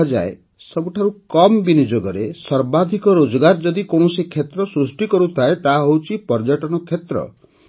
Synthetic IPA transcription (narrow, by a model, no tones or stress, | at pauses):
d͡ʒa̰e | sɔbuʈʰaɾukɔmbinid͡ʒoɡɔɾesɔɾbad̪ʱikɔɾod͡ʒɔɡaɾd͡ʒɔd̪ikoɳ̃ɔsikʰet̪ɾɔsɾusʈikɔɾut̪ʰaet̪aɦowt͡ʃʰipɔɾd͡ʒɔʈɔñɔkʰet̪ɾɔ̰